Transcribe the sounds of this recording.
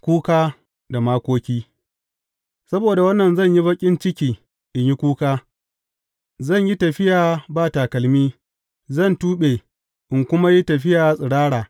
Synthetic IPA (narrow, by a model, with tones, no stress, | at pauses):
kʷuː˦kaː˦ | da˨maː˦kʷoː˦kʲiː˦ | sɐ˦boː˨da˨wɐ˦nːɐ˨nzɐ˦˨ɲji˦bɐ˦kʲʼɪ˦nt͡ʃɪ˦kʲiː˨ | ʔɪ˨ɲji˦kʷuː˦kaː˦ | zɐ˦˨ɲji˦tɐ˨ɸɪ˦jaː˨baː˦˨taː˨kɐ˨lmiː˦ | zɐ˦˨ntuː˦ɓeː˨ | ʔɪ˨ŋkʷʊ˦ma˦ji˦tɐ˨ɸɪ˦jaː˨sʼɪ˨ɽaː˦ɽaː˨